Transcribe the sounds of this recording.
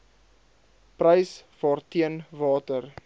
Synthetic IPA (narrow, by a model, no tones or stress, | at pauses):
prəjsv̥ɑːrtiənvɑːtər